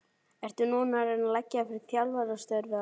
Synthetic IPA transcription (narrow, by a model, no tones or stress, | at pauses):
ɛr̥t̪ʏnuːnaɾɛnalɛcːafɪɾɪɾ̥θjalvaɾast̪œɾvɪa